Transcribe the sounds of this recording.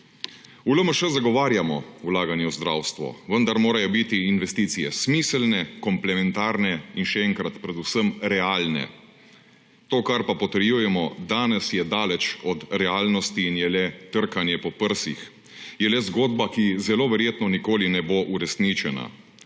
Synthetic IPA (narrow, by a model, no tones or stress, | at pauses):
uləməʃɛzaɡɔʋaːɾjamɔwlaːɡanjɛwzd̪ɾa̰wst̪ʋɔ̰ʋənd̪aɾmoːɾajɔbit̪iːnʋɛst̪iːt̪sijɛsmiːslnɛkɔmplɛmɛnt̪aːɾnɛinʃɛɛŋkɾat̪pɾɛd̪usəmɾɛaːlnɛ̰ | t̪oːkaɾpapɔt̪ɛɾjuːjɛmɔd̪aːnɛsjɛd̪aːlɛt͡ʃɔt̪ɾɛaːlnɔst̪iːnjɛlɛt̪əɾkanjɛpɔpəɾsḭx | jɛlɛzɡoːd̪bakizɛloːʋɛɾjeːt̪nɔnikoːlinɛboʔuɾɛsnit͡ʃɛna̰